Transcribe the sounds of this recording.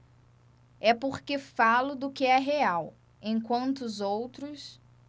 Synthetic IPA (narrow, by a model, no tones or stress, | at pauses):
ɛpoɾkefalʊd̪ʊkɪɛɦeaw | ẽj̃kwɐ̃nt̪ʊːzowt̪ɾʊs